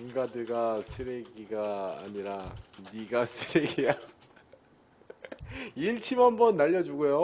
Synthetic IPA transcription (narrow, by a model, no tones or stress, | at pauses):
unɡadɯɭɡasʰɯɾeɡiɡa̰ːɲiɾaniɡasʰɯɾeɡija | iɭt͡ɕʰimʌnbʌnːaʎːʌd͡ʑuɡujo